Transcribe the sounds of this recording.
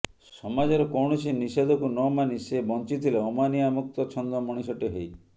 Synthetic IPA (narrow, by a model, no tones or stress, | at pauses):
sɔmad͡ʒeɾɔkɔwɳ̃ɔsinised̪ʱɔkunɔmanisebɔnt͡ʃit̪ʰileɔmaniamuk̚t̪ɔt͡ʃʰɔnd̪ɔmɔɽ̃isɔʈiɦej